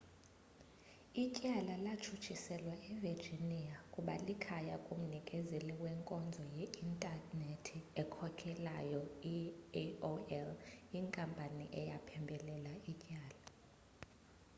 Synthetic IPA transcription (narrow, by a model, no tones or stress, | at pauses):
icʼalalat͡ʃʰut͡ʃʰisɛlwaɛverd͡ʒʱiniakʼuɓa̰likʰajakʼum̩nikʼɛzeliwɛŋkʼɔnd͡zʱɔjɛintʼanetʰiɛkʰɔkʼʰɛlajɔi | oɛliŋkʼampʼaniʔɛjapʰɛmbʱɛlɛlaicʼaːla